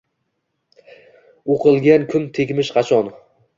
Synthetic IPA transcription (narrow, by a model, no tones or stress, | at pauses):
oqʰɨlˠɡʲankʰʊnt̪ʰekʲmɪʃqʰɑt͡ʃʰɒn